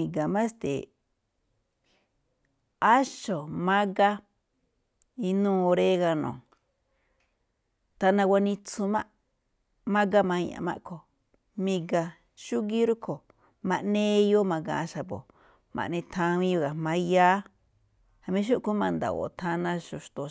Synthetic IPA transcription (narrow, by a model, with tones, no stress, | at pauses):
ĩ˨ɡa˨mã˦st̪ḛ˨ | a˦ʃo˨mã˦ɡa˦ | i˧nũː˦˧o˧ɾe˦ɣa˧nõ̰˨ | t̪a˧nã˧wa˧nĩ˧t͡su˧mã˦ʔ | mã˦ɡa˦mã˧ã̰˧˨mã̰˦ʔkʰo˨ | mĩ˧ɡa˧ | ʃu˦ɣi˦ɾu˦kʰo˨ | mã˧ʔnẽ˦˧jo˦mã˧ɡa̰˧a˧ʃa˧bo̰˨ | mʔã̰˨ʔnĩ˧t̪ʰã˧ĩ˧jo˧ɣa˨mã˧ja˦ | ha˧mĩ˧˦ʃ̬u˦ʔku˦mã˧nd̪a̰˨o̰˨t̪ʰã˧nã˧ʃu˧ʃt̪o˧